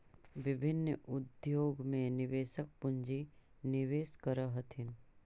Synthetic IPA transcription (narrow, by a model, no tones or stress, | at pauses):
ʋɪbʱɪnːʊd̪joːɡmẽnɪʋeːʃək̚pʊɲd͡ʒi | nɪʋeːskəɾəɦət̪ʰɪn